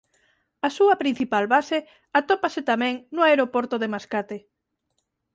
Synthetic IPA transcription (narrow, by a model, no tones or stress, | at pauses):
asuɐpɾin̟θipalβase | at̪opaset̪amɛ̃ŋnoaeɾopoɾt̪oðemaskat̪e